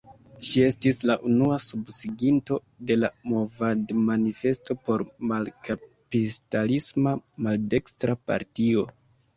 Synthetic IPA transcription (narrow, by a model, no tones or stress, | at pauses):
ʃie̞stislaʔunuasubsiɡinto̞ | de̞lamo̞vadmanife̞sto̞po̞ɾmalkapistalismamalde̞kstɾapa̰ɾtio̞